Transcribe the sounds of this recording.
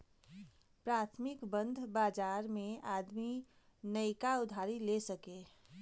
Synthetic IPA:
pɾaːt̪ʰmɪkbə̃nd̪ʱbaːd͡ʒaːɾmẽaːd̪mi | nəɪkaʊd̪ʱaːɾilesəke

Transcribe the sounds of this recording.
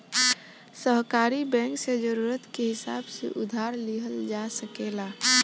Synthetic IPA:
səɦkaːɾibɛ̃ːŋksed͡ʒəɾuːɾət̪keɦɪsa̰ːbsḛʔʊd̪ʱaːɾliɦəld͡ʒasəkelaː

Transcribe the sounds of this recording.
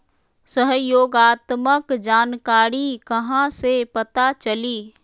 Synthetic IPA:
səɦjoːɡaːt̪məkd͡ʒaːnkaːɾikɐɦãsepɐt̪at͡ʃəliː

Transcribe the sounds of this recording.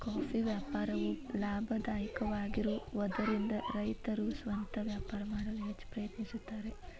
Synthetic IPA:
kaːfiʋjaːpaːɾɐʋulaːbʱɐd̪aːjɐkɐʋaːɡiɾuʋɔd̪ɐɾind̪ɐɾɐjt̪ɐɾusʋɐnt̪ɐʋjaːpaːɾɐmaːɽɐʋɦet͡ʃːpɾɐjɐt̪nisut̪ːaːɾe

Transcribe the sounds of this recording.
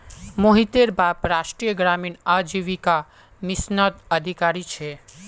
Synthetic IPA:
moɦit̪eɾbapɾaʃʈɾijəɡɾaminad͡ʒiʋika | mɪsnət̪əd̪ʱikaɾit͡ʃʰe

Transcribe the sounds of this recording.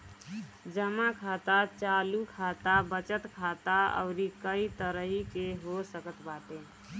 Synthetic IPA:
d͡ʒəmakʰat̪at͡ʃalukʰat̪abət͡ʃət̪kʰat̪aə̰ʊɾikəit̪əɾəɦikeɦosəkət̪bat̪ẽ

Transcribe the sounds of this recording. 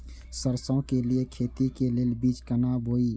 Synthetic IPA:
səɾsõkeliekʰeːt̪ikeleːlbiːt͡ʃkənaːbʱoːiː

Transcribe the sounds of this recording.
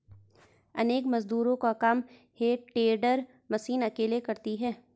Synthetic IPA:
ɐ̰neːkmɐzd̪uːɾõkakɐm | heːʈeːɖəɾ | mɐsiːnɐkeːlekɐɾt̪iɦɛː

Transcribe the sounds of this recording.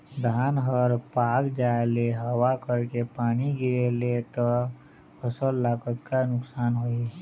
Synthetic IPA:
d̪ʱaːnɦəɾpakd͡ʒaeleɦəwakəɾkepaːniɡiɾelet̪ɔ | əsəlːakət̪kanʊksaːnɦoi

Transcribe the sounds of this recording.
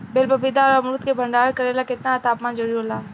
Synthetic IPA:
beːlbɐbɪd̪aɔɾɐmɾuːt̪kebʱɐ̃ɳɖaːɾkɐɾeːlakɪt̪naɐt̪aːpmãːnd͡ʒəɾiɦoːlaː

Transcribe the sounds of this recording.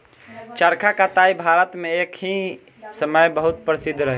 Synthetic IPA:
t͡ʃəɾkʰakat̪aibʱaɾət̪meekʰɦĩ | səməjbəɦut̪̚pɾəsid̪ʱːɾəɦ

